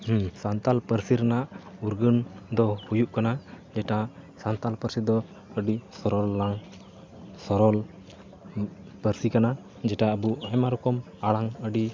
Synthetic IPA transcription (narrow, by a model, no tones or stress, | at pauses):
sant̪alpəɾsiɾənaʔuɾɡənd̪ɔhujuʔkana | d͡ʒɛʈasant̪alpəɾsid̪ɔ | əɖisɔɾɔlːaŋ | sɔɾɔl | pəɾsikana | d͡ʒɛʈaəbuajmaɾɔkɔm | aɭaŋəɖi